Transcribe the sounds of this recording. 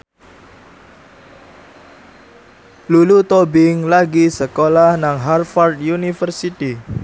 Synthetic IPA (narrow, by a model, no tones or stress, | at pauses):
lulut̪obɪŋlaɡisəkolahnaŋɦarfɔrd̪junifərsit̪i